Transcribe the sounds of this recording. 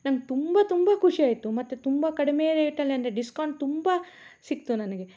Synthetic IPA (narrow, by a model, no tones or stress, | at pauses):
nɐŋɡet̪umbat̪umbɐkʰuʂiaːjt̪umɐt̪ːut̪umbakɐɽimeːɾeːiʈːɐlːeɐnd̪ɾeɖiskaːɳʈ̚t̪umba | sik̚t̪unɐnɐɡe